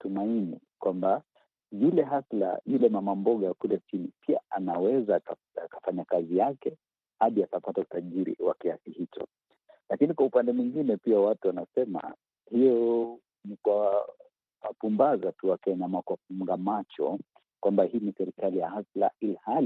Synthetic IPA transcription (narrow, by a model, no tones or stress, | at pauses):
tumaini | kwamba | zulɛɦasla̰julɛmamambɔɠakulɛt͡ʃinipia̰ʔanawɛza | akḁfaɲakazijakɛ | haɗiakapatautaʄiɾḭwa̰kiasihit͡ʃɔ̰ | lakinikwaupandɛmwiŋɡinɛpiawatuwanasɛma̰ | hijɔ | nikwa | wapumbazatuakɛɲamakwafuŋɡamat͡ʃɔ̰ | kwambahiːnisɛɾikalijahasla̰ilihal